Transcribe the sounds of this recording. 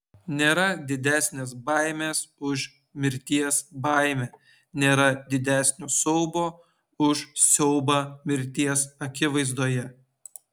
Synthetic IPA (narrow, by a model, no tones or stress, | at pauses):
nʲeːɾɐd̪ʲɪd̪ʲæːsʲnʲes̬bɑˑɪmʲeːsʊʒ | mʲɪɾʲt̪ʲiɛsbɑɪmʲeː | nʲeːɾɐd̪ʲɪd̪ʲæːˑsʲnʲoːsɔʊboː | ʊʃsʲɛʊbɑːmʲɪɾʲt̪ʲiɛsɐkʲɪʋɐɪzd̪oːjɛ